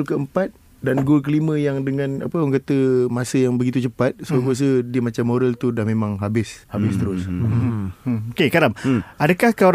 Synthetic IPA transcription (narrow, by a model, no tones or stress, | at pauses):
lkəəmpat̪̚ | danɡulk̬əlimə̃jaŋdəŋãna̰pəoŋkat̪əmasəjaŋbəɡit̪̬ut͡ʃəpat̪̚soakuas̬ədiəmat͡ʃamːoɾəlt̪udahmẽmãŋɦabɪshabɪst̪əɾʊs | okekaɾamʔadəkahka